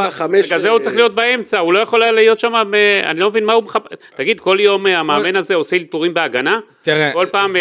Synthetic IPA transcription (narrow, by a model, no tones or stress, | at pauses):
ameɡazeut͡sʁeχlijo̞t̪̚bae̞mt͡saulo̞jaχo̞lalijo̞t̪ʃamamea̰nilo̞mevinmaumeχapt̪aɡid̪ko̞ljo̞mamaːme̞naze̞oseltuʁimbeaɡana | t̪ko̞lpaːm